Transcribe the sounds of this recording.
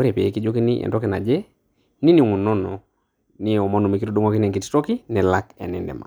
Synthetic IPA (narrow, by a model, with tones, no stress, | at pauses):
e˦ɾe˨pe˨e˨ki˦d͡ʒo˦ki˦ni˦ʔɛ̰˨ndɔ˦kɛ˨na˨d͡ʒɛ˦ | ni˦ni˨ŋu˨nɔ˦nɔ˨ | ni˦˨ɔ˨mɔ˦nu˨me˨ki˦tɔ˦du˦ŋɔ˦ki˦n˦ɛ˨ŋki˨ttɔ˦ki˦nɛ˨la˦kɛ̰˨nɛ˨ndɛ̰˨ma̰˨